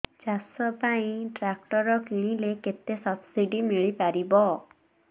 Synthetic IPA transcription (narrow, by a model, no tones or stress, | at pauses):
d͡ʒasɔpaĩʈɾak̚ʈɔɾɔkiɽ̃ileket̪esɔpsiɖimiɭipaɾibɔ